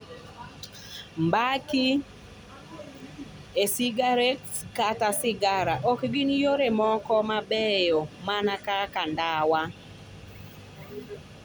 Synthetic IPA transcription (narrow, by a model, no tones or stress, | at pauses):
mbaki | esiɡaɾetskatasɪɡaɾaʔɔkɡɪnjoɾemɔkɔmabɛjomanakakandawa